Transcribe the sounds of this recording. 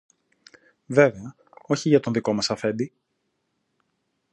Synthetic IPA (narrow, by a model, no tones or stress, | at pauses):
ve̞ve̞ɐ | o̞çiʝɐt̪o̞nðiko̞mɐsɐfe̞nd̪i